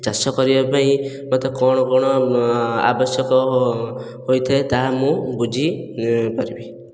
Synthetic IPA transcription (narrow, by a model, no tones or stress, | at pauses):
t͡ʃasɔkɔɾibapaĩ | mat̪ɔkɔɽ̃ɔkɔɽ̃ɔ | a̰bɔsjɔkɔ | ɦojt̪ʰaet̪amũbud͡ʒʱipɔɾibi